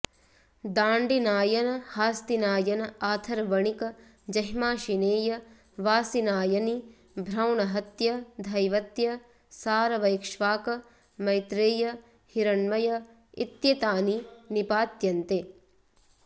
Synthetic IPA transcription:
d̪aːɳɖinaːjɐnɐhaːst̪inaːjɐnɐaːt̪ʰɐɾɐʋɐɳikɐ | d͡ʒɐɦmaːʃineːjɐ | ʋaːsinaːjɐni | bʱɾɐwɳɐɦɐt̪jɐd̪ʱɐjʋɐt̪jɐ | saːɾɐʋɐjkʃʋaːkɐ | mɐjt̪ɾeːjɐ | hiɾɐɳmɐjɐ | ḭt̪jɐt̪aːninipaːt̪jɐnt̪e

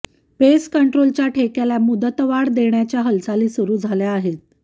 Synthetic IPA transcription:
peskəɳʈɾolt͡ɕjaʈʰekelamud̪ət̪ʋaɽd̪eɳjat͡ɕjaɦəlsaliːsuɾuːd͡zʱaljaːɦet̪̚

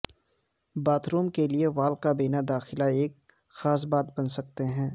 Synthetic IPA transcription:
baːt̪ɾuːmkelieʋaːlkabeːnad̪aːxɪlaeːk̚ | xaːs̬baːt̪̚bɐnsɐkt̪eɦɛ̃ː

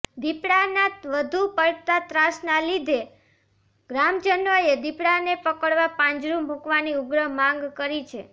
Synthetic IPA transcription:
d̪ipɽanat̪ʋəd̪ʱupəɭt̪at̪ɾasnalid̪ʱe | ɡɾamd͡ʒənʋəed̪ipɽanepəkəɽʋapãɲd͡ʒɾũmbʱukʋaniʊɡɾəɦmãŋɡkəɾit͡ʃʰe

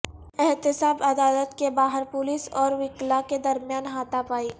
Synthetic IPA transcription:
ɛɦt̪ɪsaːbɐd̪aːlət̪kebaːɦəɾpʊlisɔːɾʋɪklaked̪ɐɾmjaːnɦaːt̪apaːiː

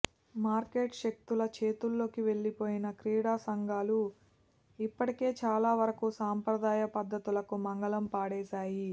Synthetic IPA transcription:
maːɾke̞ːʈʃek̚t̪ulɐt͡ʃe̞ːt̪ulːo̞ːkiʋe̞ɭːipo̞ːjinɐkɾiːɽaːsɐŋɡaːlu | ipːɐʈike̞ːt͡ʃaːlaːʋɐɾɐkusaːmpɾɐd̪aːjɐpɐd̪ːɐt̪ulɐkumɐŋɡɐlɐmpaːɽɛːsaːji

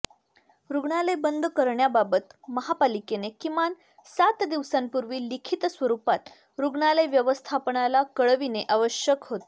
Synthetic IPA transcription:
ɾuɡɳaləjbənd̪ʱkəɾɳjababət̪məɦapalikenekiman | sat̪d̪iʋsampuɾʋiːlikʰit̪sʋəɾupat̪ | ɾuɡɳaləjʋjəʋəst̪ʰapəɳalakəɭʋineʔaʋəɕjəkɦot̪

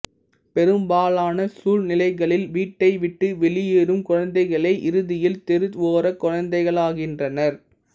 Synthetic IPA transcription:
pɛɾɯmbaːɭaːnɐsuːlnɪlɐɪɣɐɭɪlʋiːʈːɐɪʋɪʈːɯʋɛɭɪjeːɾɯmkʊɻɐnd̪ɐɪɣɐɭɐɪʔɪɾɯðɪjɪlt̪ɛɾɯt̪ʋoːɾɐkːʊɻɐnd̪ɐɪɣɐɭaːɣɪndrɐnɐɾ

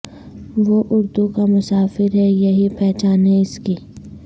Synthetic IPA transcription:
ʋoʔʊɾd̪ukamʊsaːfɪɾɦɛjɐɦipɛːt͡ʃaːneɪski

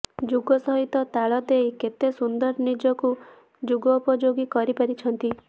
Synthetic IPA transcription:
d͡ʒuɡɔsɔɦit̪ɔt̪aɭɔt̪ejket̪esund̪ɔɾnid͡ʒɔku | d͡ʒuɡɔːpɔd͡ʒoɡikɔɾipaɾit͡ʃʰɔnt̪i

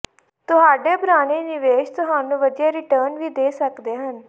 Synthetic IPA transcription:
t̪ʊɦaːɖeːpɾaːneːnɪʋeːʃt̪ʊɦaːnũːʋəd̪ijaːɾɪʈəːnʋiːd̪eːsəkd̪eːɦən

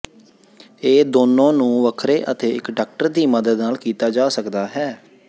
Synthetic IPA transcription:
eːd̪oːnːõːnũːʋəkʰɾeːʔət̪eːɪkɖaːk̚ʈəɾd̪iːməd̪əd̪naːlkiːt̪aːd͡ʒaːsəkd̪aːɦɛː

